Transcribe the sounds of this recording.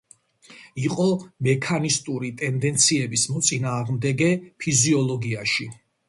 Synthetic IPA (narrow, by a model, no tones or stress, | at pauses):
iqʼɔmɛkʰanist̪ʼuɾit̪ʼɛnd̪ɛnt̪sʰiɛbismɔt̪sʼinaːʁmd̪ɛɡɛpʰiziɔlˠɔɡiaʃi